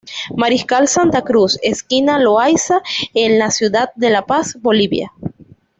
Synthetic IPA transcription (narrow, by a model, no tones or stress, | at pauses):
maɾiskalsant̪akɾuseskinaloajsaenlasjuðad̪̚ːe̞lapasbo̞liβja̰